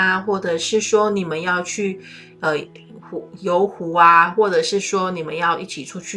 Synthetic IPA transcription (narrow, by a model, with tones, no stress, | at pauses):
a˧xwɔ˥˩ʈ͡ʂɤ˨˩ʂɻ̩˥˩ʂwɔ˥ni˨˩mə˦njɑ˥˧ʊt͡ɕʰy˥˩ | ə˧˩ | xu˨˧˥jo˧˥ʊxu˧˥a˧xwɔ˥˩ʈ͡ʂɤ˨˩ʂɻ̩˥˩swɔ˥ni˨˩mə˨˦njɑ˥˧ʊʔi˥˩t͡ɕʰi˨˩ʈ͡ʂʰu˥t͡ɕʰy˥˨